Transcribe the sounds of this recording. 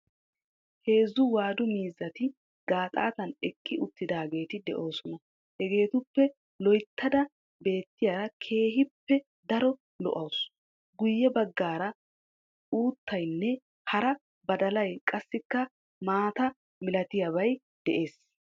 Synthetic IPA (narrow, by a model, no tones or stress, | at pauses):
he̞ːzːʊwaːd̪ʊmiːzːɐt̪ɪ | ɡaːt̪ʼa̰ːt̪ɐnɛkʼːɪʔʊt̪ːɪd̪aːɡe̞ːt̪ɪd̪ɛ̰ʔo̞ːsɔnɐ | hɛɡe̞ːt̪ʊpːɛ | lɔjt̪ːɐd̪ɐ | be̞ːt̪ːɪjaːɾɐkʰe̞ːɦɪpːɛ | d̪ɐɾɔ | lɔ̰ʔɐws | ɡʊjːɛbɐɡːaːɾɐ | uːt̪ːɐjnːɛ | hɐɾɐ | bɐd̪ɐlɐjkʼɐsːɪkːɐ | maːt̪ɐ | mɪlɐt̪ɪjaβɐj | d̪̥ɛʔe̞ːs